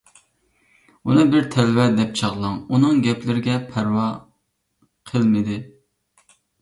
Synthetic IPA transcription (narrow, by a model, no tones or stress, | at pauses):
unɨbɪɾt̪ʰɛlwɛd̪ɛp̚t͡ʃʰɑʁlˠɑŋunɨŋɡʲɛplɪɾɪɡʲɛpʰæɾwɑ | qʰəlˠmɪd̪ɪ